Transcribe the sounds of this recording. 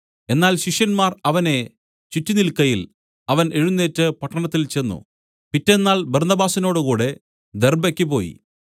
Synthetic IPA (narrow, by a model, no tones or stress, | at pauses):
e̞nːaːlɕiʂjɐnmaːrɐʋɐne̞ | t͡ɕitːinilkɐjil | ɐʋɐne̞ɻunːe̞ːtːɨpɐʈːɐɳɐt̪ːilt͡ɕenːṵ | pitːenːaːlbɐrnɐbaːsino̞ːɽɨkuːɽe̞ | d̪erbɐkʲːipo̞ːjḭ